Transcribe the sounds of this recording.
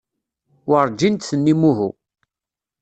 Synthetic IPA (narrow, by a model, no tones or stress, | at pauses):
wəɾˤd͡ʒint̪θənːimuɦṵ